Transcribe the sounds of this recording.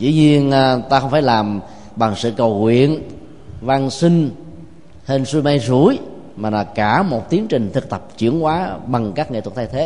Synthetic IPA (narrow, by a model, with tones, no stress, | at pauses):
zɨ̰˧˨˦ɲi˧ənː˧˩t̪aː˧ə˧wŋ͡mfaː˧˩jlaː˨˩m | ɓa˨˩ŋsɨ̰˧˨kə˨˩wŋwḭ˧˨ən | vaː˧ŋsï˧ŋ̟ | he˧nsu˧ma˧jzu˧˩əj | maː˨˩nɔ˨˩kaː˧˩mo˨˩t̚t̪i˨˦əŋt͡ɕï˨˩ŋ̟t̪ʰɨ˨˩k̚t̪ə˨˩p̚t͡ɕɨ˧˩˦əŋkwaː˨˦ɓa˨˩ŋkaː˦˥k̚ŋḛ˧˨˩t̪̚t̪ʰːjt̪ʰe˨˦